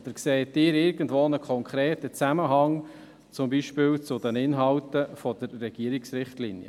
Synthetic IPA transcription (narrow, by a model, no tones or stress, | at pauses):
d̥̪əɾksɛːtːɪːɾɪɾɡən̩dʋoːnəkʰχɔŋkʰɾeːtət͡sæməɦɑŋ | t͡sʊmbiːʃpɪːwt͡sʊdənɪnɦɑwtəfɔd̥̪əɾːɛɡ̥iəɾiksɾɪχtlinjə̰